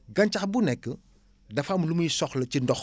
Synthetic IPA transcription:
ɡɐnt͡ʃaxbunɛkːə | dɐfamlumujisɔxlɐt͡ʃindɔx

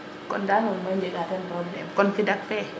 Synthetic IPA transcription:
kɔndanɔnmajndɛɡatɛnpɾɔblɛ̰mkɔnfidak̚fɛ

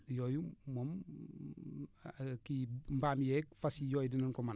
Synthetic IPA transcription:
ijojumom | kimbaːmjeːkfasijoːjdinaŋkoma

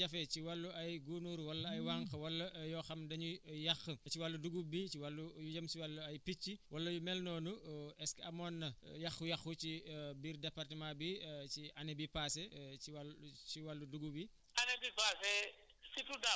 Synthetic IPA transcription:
ɐfɛciwɐlːuɐjɡunuːɾwɐlːɐːjwaŋkəwɐlːɐjɔːxɐmdɐɲujɐxət͡ʃiwɐlːuduɡubit͡ʃiwɐlːujujɐmsiwɐlːuɐjpit͡ʃːiwɐlːɐjumɛlnɔːnuɛskɐɐmɔnːɐjɐxujɐxut͡ʃibiːrdɛpartəmãbit͡ʃiɐnebipaːsɛt͡ʃiwalt͡ʃiwɐlːuduɡubi | anebipasɛ | situda

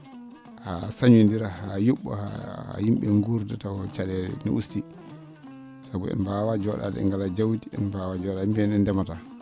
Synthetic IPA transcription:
hasaɲundiɾahajuɓːɔ̰haha̰jimɓɛŋɡuɾdɛtawɔt͡ʃaɗɛnḭʔusti | sabɔ̰ɛ̰nbawad͡ʒɔɗa̰dɛ̰ŋɡalad͡ʒawtiɛ̰nbawad͡ʒɔɗaɛmbɛnɛndɛmata

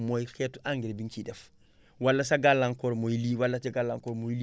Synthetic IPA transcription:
moːjxɛːtuʔaŋɡiɾbiɲt͡ʃidɛf | walːɐsaɡalːaŋkoɾmojliːwalːat͡ʃiɡalːaŋkoɾmojl

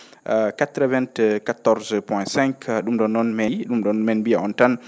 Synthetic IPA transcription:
akat̪ɾəvɛ̃ntkat̪ɔɾzpwɛ̃sɛ̃ŋkɗumdɔnɔnmɛɗumɗɔnɔmɛnbiaɔntan

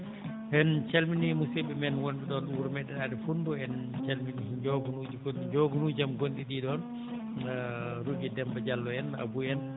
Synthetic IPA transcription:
hɛnt͡ʃelminimusiɓɛmɛnwonduɗɔnwuɾmɛɗɛnadɛfunduɛnt͡ʃɛlminiɦd͡ʒɔɡunu | d͡ʒoɡunuːd͡ʒamɡonɗiɗiɗɔn | ɾuɡidɛmbad͡ʒalːɔjɛna̰bujɛn

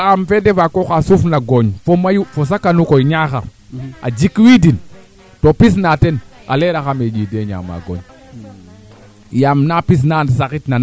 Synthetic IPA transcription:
amfedefakokasufnaɡoɲfomajufosakanukoiɲaxa̰ɾ | a̰d͡ʒikwidin | topis̬natena̰leɾaxamed͡ʒideɲa̰ːma̰ɡo̰ɲ | jamnapis̬nansakitna

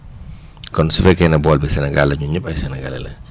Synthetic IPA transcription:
kɔnsufɛkɛnɐbɔlbɛsɛnɛɡalːɐɲuɲupɐjsɛnɛɡa̰lɛ̰lɐ̰

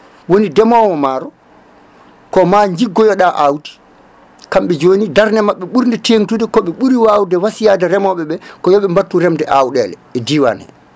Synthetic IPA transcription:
wonidɛmɔwamaːɾɔ | kɔmaɲd͡ʒiɡːɔjɔɗaʔawti̥ | kamɓɛd͡ʒonidaɾnɛmaɓːɛɓuɾndɛteŋtudɛkɔɓɛɓuɾiwawdɛwasijadɛɾɛmɔɓɛɓɛkɔjɔɓɛmbatːuɾɛmdɛʔawɗɛ̰lɛ̰ɛdiwa̰nɛ̰

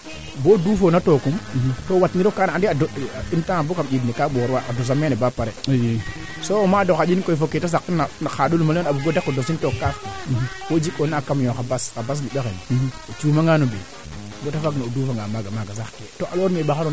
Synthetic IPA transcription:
bodufonatokumtowatniɾokanaandiadointaŋabokamd͡ʒidnekaɓoɾwaʔados̬amenebapaɾej | somadokad͡ʒinkoifokːetas̬akːinanaxadulumalonabuɡodakːodos̬intokːafkod͡ʒikonaakamjoxabaskabas̬ɡidakḛnot͡ʃumaŋanobḛ | botafaknaodufaŋɡamaɡamaɡasakketoʔaloɾmeɓaxaɾo

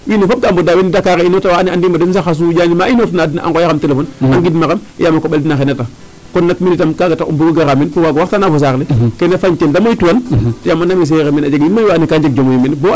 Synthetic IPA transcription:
wiːnifap̚kambodawinidakaɣeinotawaaniandimadonsaxas̬uɟanimainotnadinaʔa̰ŋkɔjaxamtelefonaŋɡidmakamḭjamakoɓeldinaxenata | konːak̚minitamkaɡatakṵmbuɡoɡaɾaminpowaɡawaktanafos̬axlikenafaɲtendamojituwantjamanames̬eɣemenad͡ʒaɡimajwanikad͡ʒeɡ̚d͡ʒomojimenbo

